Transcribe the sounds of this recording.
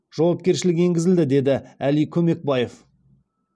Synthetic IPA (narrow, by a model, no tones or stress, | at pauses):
ʒ̥ɑwɑp̚kʲe̞ɾʃɪlɪkʲe̞ŋɡʲɪzɪld̪ɪd̪e̞d̪ɪælijkʲʰɵme̞k̚bɑje̞f